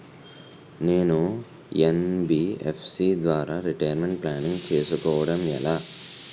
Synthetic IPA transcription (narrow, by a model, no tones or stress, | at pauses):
ne̞ːnu | enbiḛpʰsiːd̪ʋaːɾaːɾiʈɐjɐɾmeɳʈ̚plaːniŋɡt͡ʃe̞ːsukɔːʋɐɽɐmɛ̰laː